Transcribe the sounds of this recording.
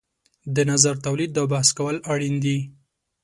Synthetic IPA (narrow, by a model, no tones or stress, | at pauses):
d̪ənazaɾt̪awlid̪ːawbahaskawəlaɽind̪i